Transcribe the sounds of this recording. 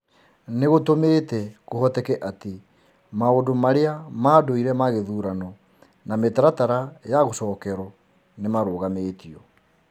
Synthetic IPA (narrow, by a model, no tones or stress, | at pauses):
neɣotomeːtɛkohɔtɛkɛʔate | maodomaɾeamaːdoiɾɛmaɣeðuɾanɔ | nametaɾataɾajaɣosɔːkɛɾɔ | nemaɾoːɣameːtiɔ